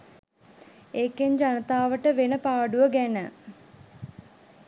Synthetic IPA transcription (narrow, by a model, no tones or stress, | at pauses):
ekeɲd͡ʒanət̪aːʋəʈəʋenəpaːɖuʋəɡænə